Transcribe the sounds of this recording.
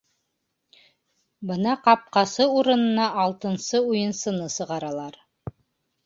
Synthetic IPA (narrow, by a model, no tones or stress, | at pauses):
bɤnɑqɑp̚qɑsɤuɾɤ̆nɤ̆nɑʔɑlˠt̪ɤ̆nsɤujɤ̆nsɤ̆nɤsɤ̆ʁɑɾɑlˠɑɾ